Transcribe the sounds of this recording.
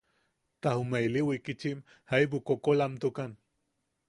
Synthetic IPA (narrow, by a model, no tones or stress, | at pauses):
t̪ahumeiliwikit͡ʃim | haip̬ukokolamt̪ukan